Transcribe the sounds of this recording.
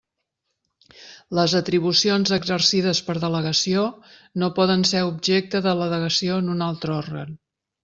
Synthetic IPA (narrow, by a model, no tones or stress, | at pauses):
ləzət̪ɾiβ̞usionzəɡzəɾsiðəspəɾðələɣəsionopɔðənseɾubʒek̚t̪əðələðəɣ̞əsionunalˠt̪ɾɔɾɣə̰n